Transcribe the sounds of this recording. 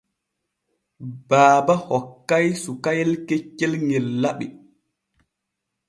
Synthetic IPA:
baːbahɔkːajsukajɛlket͡ʃːɛlŋɛlːaɓi

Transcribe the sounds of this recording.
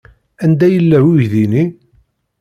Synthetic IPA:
ænd̪æjəlːæwujðini

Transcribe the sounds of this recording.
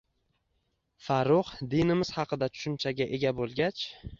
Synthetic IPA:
faɾʊχd̪inɪmɪz̥hɑqʰɨd̪at̪ʰʊ̥ʃʊnt͡ʃʰaɡʲaʔe̞ɡʲabolˠɡʲat͡ʃ

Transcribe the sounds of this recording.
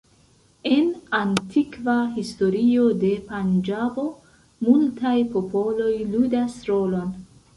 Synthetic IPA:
e̞nantʰikvaɦisto̞ɾio̞de̞pand͡ʒabo̞ | multajpo̞po̞lo̞jludasɾo̞lo̞n

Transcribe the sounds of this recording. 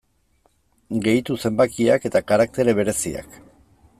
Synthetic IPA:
ɡe̞jt̪use̞mbakiake̞t̪akaɾak̚t̪e̞ɾe̞β̞e̞ɾe̞sia̰k

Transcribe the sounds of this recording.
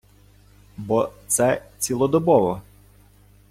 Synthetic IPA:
bɔt̪sɛt͡sʲilˠɔd̪ɔbɔʋɔ

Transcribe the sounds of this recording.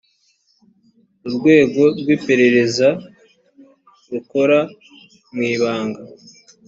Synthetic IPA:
uɾɡwe̞ːɡo̞ɾɡwiːpe̞ɾe̞ɾe̞za | ɾuko̞ɾa | mŋiːβaːŋɡa

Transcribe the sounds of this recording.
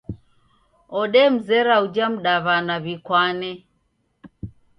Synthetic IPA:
ɔɗɛm̩zɛɾaud͡ʒam̩ɗaβanaβikwanɛ

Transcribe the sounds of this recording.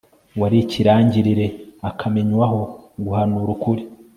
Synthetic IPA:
waɾiciɾaːɲɟiɾiɾe̞akʰame̞ɲwaɦo̞ɡuhanuːɾukuɾi

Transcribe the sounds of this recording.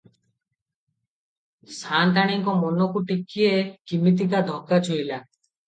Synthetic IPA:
sʰant̪aɽ̃iŋkɔmɔnokuʈikʰːiekimit̪̬ikad̪ʱɔkːat͡ʃʰojla

